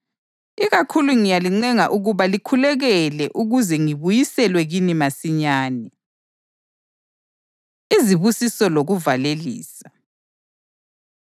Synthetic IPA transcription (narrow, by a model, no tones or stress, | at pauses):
iɣakʰuluŋijaliŋ͡ǀɛŋaʔuɣuβalikʰulɛɣɛlɛʔuɣuzɛŋiβujisɛlwɛɣinimasiɲaːnɛ | iziβusisɔloɣuvalelḭːsa